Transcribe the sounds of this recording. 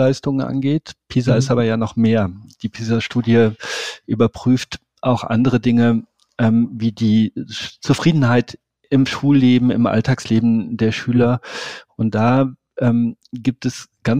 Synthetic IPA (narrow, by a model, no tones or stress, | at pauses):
aɪstʊŋənʔa̰nɡeːtpʰiːzaɪstaːbɐjaːnɔχmeːɐd̥iːpʰiːzaʃtuːdjəʔyːbɐpʁ̥yːft | ʔaʊxʔa̰ndəʁədɪŋə | ʔɛːmviːdiːt͡sufʁ̥iːdn̩ɦaɪt | ɪmʃuːlːeːbm̩ɪ̰mʔa̰ltʰaːksleːbm̩deːɐʃyːlɐʔʊnt̚d̥aː | ʔɛːm | ɡiːp̚tɛsɡ̥an